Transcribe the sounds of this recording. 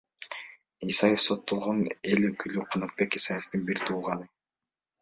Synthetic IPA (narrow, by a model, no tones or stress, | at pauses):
isɑje̞fso̞t̪ːolˠʁone̞løkʰylyqʰɑnɑt̪̚be̞kisɑje̞ft̪ɯnbiɾt̪ʰuːʁɑnɯ